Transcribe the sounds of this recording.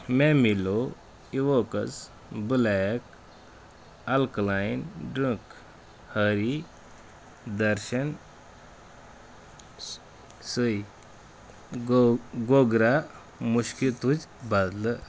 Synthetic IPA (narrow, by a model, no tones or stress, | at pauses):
mɛmilo | iʋokəs | bulajək | alklajnɖɾə̃k | həɾi | d̪əɾɕən | suj | ɡoɡɾa | muɕkit̪ut͡sbad̪lə